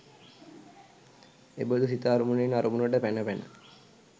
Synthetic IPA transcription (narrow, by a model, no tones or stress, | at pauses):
ḛbəd̪usit̪aːɾumunenaɾumunəʈəpænəpænə̰